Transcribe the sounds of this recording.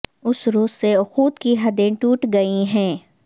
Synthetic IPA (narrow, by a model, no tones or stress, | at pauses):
ʊsɾoːzseʊxuːt̪kiɦɐd̪ẽʈuːʈɡɐiɦɛ̃ː